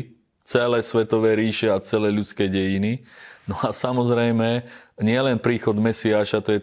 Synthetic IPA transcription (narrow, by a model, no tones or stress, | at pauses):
t͡sɛlɛːsʋɛt̪ɔʋɛːɾiːʃɛat͡sɛlɛːʎut͡skɛːɟɛjininɔasamɔzɾɛjmɛɲɪɛlɛnpɾiːxɔd̪mɛsiaːʃat̪ɔjɛ